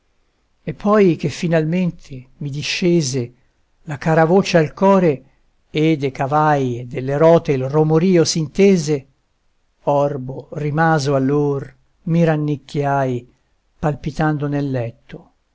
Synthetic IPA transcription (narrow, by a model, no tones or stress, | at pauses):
epʰːɔjk̟efːinalment̪ʰemid̪iʃːeːze | lakaːɾavot͡ʃealkɔːɾe | ed̪ekavajed̪elːeɾɔːt̪eilromoɾiːosint̪eːze | ɔrborimaːzoalːor | miɾanːikʰːjaj | palpit̪and̪onelːɛt̪ʰːo